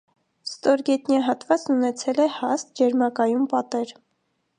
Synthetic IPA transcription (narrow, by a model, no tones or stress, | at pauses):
st̪ɔɾɡɛt̪njɑɦɑt̪vɑt͡snunɛt͡sʰɛlɛhɑst̪̚d͡ʒɛɾmɑkɑjumpɑt̪ɛɾ